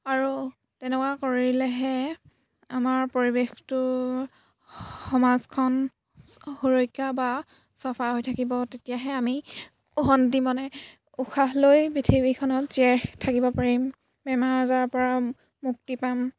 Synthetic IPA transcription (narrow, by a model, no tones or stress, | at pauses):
aɹu | tɛnɛkwakoɹilɛɦɛ | amaɹpoɹibextʊ | xɔmazkʰɔn | xoɹojkːaba | sɔpʰaɦojtʰakibɔtetijaɦɛami | ɔɦɔndimɔnɛ | uxʰaɦlojbitʰibikʰɔnɔtzɛxtʰakibɔpaɹim | bɛmaɹzaɹpɔɹa | muk̚tipam